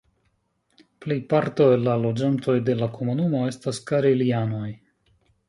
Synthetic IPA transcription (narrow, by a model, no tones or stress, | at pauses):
ple̞jpaɾto̞elːalo̞d͡ʒanto̞jde̞lako̞munumo̞e̞staskaɾeliano̞j